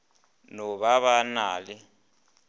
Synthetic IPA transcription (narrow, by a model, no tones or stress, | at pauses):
nɔβaβanaːlɪ